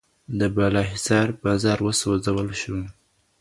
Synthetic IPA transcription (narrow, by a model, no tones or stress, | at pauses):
d̪əbalɑɦɪsɑɾbɑzɑɾwəsozawəlʃu